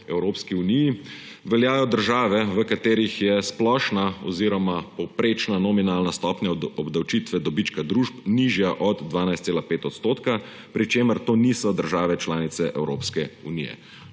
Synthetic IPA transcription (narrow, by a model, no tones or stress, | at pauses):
ɛwɾoːpskiuniji | ʋɛljaːjɔd̪əɾʒaːʋɛʋəkat̪eːɾixjɛsplɔːʃnaɔ̰ziːɾɔmapɔpɾeːt͡ʃnanɔminaːlnast̪ɔːpnʲjaɔbd̪awt͡ʃiːt̪ʋɛd̪ɔbiːt͡ʃkad̪ɾuːʃpniʒjaʔɔd̪ːʋaːnajst̪seːlapeːt̪ɔt̪st̪oːt̪ka | pɾit͡ʃeːməɾt̪oːnisɔd̪əɾʒaːʋɛt͡ʃlaːnit̪sɛʔɛwɾo̰ːpskɛunḭjɛ̰